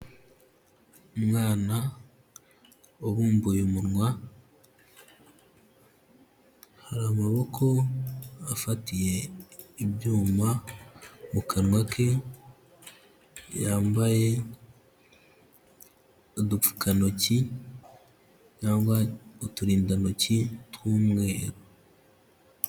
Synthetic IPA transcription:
mŋaːna | oβuːmbuːjomuɾŋwa | haɾaːmaβo̞kʰo̞ | afatije̞ibjuːma | mukanŋwakʰe | jaːmbaje̞ | odup͡fu̥kʰano̞ci | caːŋɡwaotuɾiːndano̞citwuːmŋe̞ːɾo

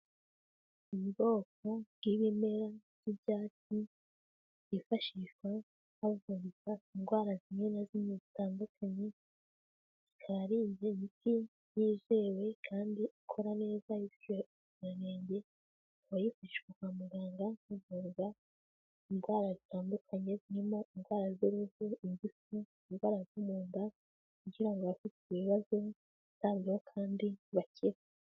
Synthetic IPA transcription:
imiɡo̞ːk̚o̞b̥ɡiβime̞ɾazibɟaːt͡ʃi | ifaʃiʃwa | hovuɾɡainɡwaːɾazimŋenazimɲizitaːndukʰaɲe̞ | zikʰaɾiːɲɟemiti | jiːze̞we̞kʰaːndiʔikʰo̞ɾane̞ːzajiɾ | ɲaneːɲɟe̞ | βajifuiʃɡukamuɡaːŋɡauvuːŋɡa | inɡwaːɾazitaːndukʰaɲe̞ziɾimo̞ʔinɡwaːɾazziɾuvuiɲbisu | inwaːɾazumuːnda | kuɡiɾaŋɡoβafitiiβiβazo | iz̥aːβɡehokʰaːndiβaciɾe

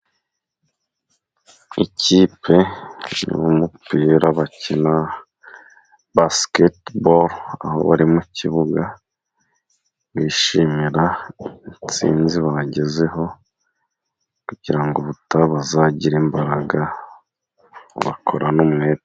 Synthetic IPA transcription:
iciːpʰe̞nwomupiːɾaβacina | basketboɾa̰ho̞̰βaɾimucʰiβuɡa | βiːʃimiɾait͡sḭːnziβaɟe̞ze̞ɦo̞ | kuɟ̥iɾaŋɡo̞βutaβazaɟiɾeːmbaɾaɡa | βa̰kʰo̞ɾʔanomŋeːɾ

